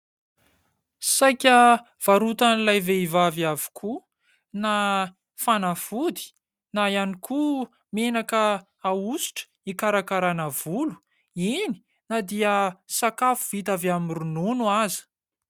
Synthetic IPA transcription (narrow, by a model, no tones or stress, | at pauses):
sajkʲə | v̥aɾut̪anilajveivaviavi̥kʰu | na | fanafud̪i̥ | naianikʰu | menakəː | usi̥ʈ͡ʂə̥ | ikaɾakaɾanəv̥ulu̥ | ini̥ | nad̪iəsakafuvit̪avamiɾununuazi̥